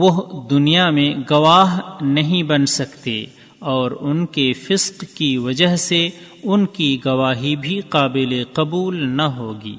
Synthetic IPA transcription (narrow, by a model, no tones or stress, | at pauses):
ʋʊɦd̪ʊnijamẽɡɐʋaːɦnɐɦĩbɐnsɐkt̪ḛ | ɔːɾʊnkefɪsqkiʋɐd͡ʒəɦse | ʊnkiɡɐʋaːɦibʱiqaːbɪleqɐbuːlnɐɦoːɡḭː